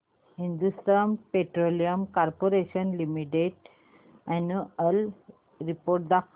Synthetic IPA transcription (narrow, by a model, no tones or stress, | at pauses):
hĩnd̪ust̪ɾampeʈɾoliəmkaɾpoɾeʃənlimiʈeʈ | ɛnuəl | ɾipoːɾʈ̚d̪ak